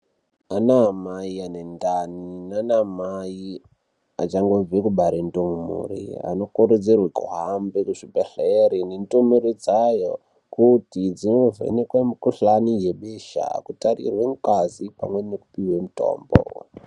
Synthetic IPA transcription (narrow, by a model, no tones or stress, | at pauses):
anamaianendaninanamai | a̰t͡ʃaŋɡo̞d͡zekuɓaɾentomummṵrḭa̰no̞kuɾed͡zerwekṵɦambekuʐibʱeɬeɾinentomuɾid͡zajo | kutid͡zinovḛnekwemikuɬanijeɓeʃa̰kutarḭrwe̞ŋkwazipamwe̞neku̥piwemuto̞̰ːmbo̰